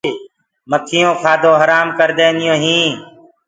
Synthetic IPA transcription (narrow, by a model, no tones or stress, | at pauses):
məkʰɪːõːkʰaːd̪õːɦəɾaːmkəɾd̪eːnɪjõːɦĩː